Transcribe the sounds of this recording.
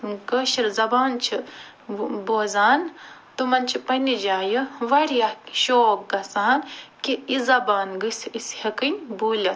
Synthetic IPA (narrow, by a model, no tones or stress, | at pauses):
ɡɐʃiɾzɐbaːnt͡ʃʰi | boːzaːnt̪umɐnt͡ʃʰipɐnid͡ʒaːjɨʋɐɾijɐkʃoːk̚ɡɐsaːnkiizɐbaːnɡɨsishɐkɨnʲbuːlɐt̪